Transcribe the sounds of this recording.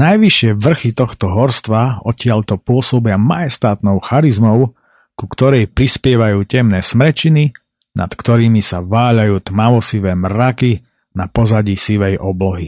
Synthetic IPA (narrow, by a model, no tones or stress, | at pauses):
najʋiʃɪɛʋr̩xit̪ɔxt̪ɔɦɔɾst̪ʋaɔcɪaʎt̪ɔpʊɔsɔbɪamajɛst̪aːt̪nɔʊxaɾizmɔʊ | kukt̪ɔɾɛjpɾispɪɛʋajuːcɛmnɛːsmɾɛt͡ʃini | na̰t̪kt̪ɔɾiːmisaʋaːʎajuːt̪maʋɔsiʋɛːmɾaki | napɔzaɟisiʋɛjʔɔblɔɦi